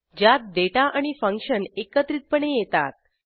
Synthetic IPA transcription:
d͡ʑjat̪̚d̪eʈaʔaɽ̃ifəŋkɕənekət̪ɾiːt̪̚pəɳ̃ejet̪a̰t̪̚

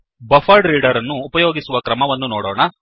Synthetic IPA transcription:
bɐfɐɾɖɾiːɖɐɾɐnːuːpɐjoːɡisuʋɐkɾɐmɐʋɐnːunoːɽɔːɳɐ

